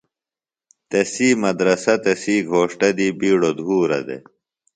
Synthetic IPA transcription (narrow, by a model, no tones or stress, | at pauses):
t̪ɐsiːmɐd̪ɾɐsɐt̪ɐsiːɡʱoːʂʈɐd̪ibiːɽod̪ʱuːɾɐ̰d̪ḛ